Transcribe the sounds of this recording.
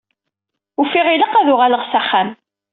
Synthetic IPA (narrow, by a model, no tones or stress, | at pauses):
ufiʁiləqːæðʊʁaləʁsæχːæm